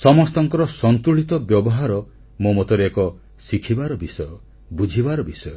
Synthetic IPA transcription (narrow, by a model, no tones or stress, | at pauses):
sɔmɔst̪ɔŋkɔɾɔsɔnt̪uɭit̪ɔbjɔbɔɦaɾɔ | momot̪ɔɾekɔ | sikʰibaɾɔbisɔjɔ | bud͡ʒʱibaɾɔbisɔjɔ